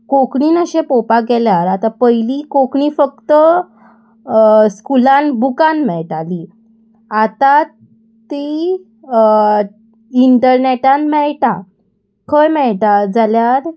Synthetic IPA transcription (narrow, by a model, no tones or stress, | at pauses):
kokɳiːnəɕepopaɡɛljaɾat̪apəjlikokɳifək̚t̪ə | skulãnbukanmɛɭʈali | at̪a | t̪i | iɳʈəɾneʈanmɛɭʈa | kʰəɭmɛɭʈad͡zaljaɾ